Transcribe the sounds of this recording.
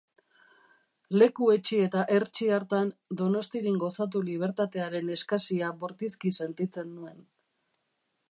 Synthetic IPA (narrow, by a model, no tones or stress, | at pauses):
le̞kue̞t͡ʃie̞t̪aʔe̞ɾt͡ʃiaɾt̪and̪o̞no̞st̪iɾiŋɡo̞sat̪̬uliβ̞e̞ɾt̪at̪e̞aɾe̞ne̞skasiaβoɾt̪iskise̞nt̪it͡se̞nːue̞n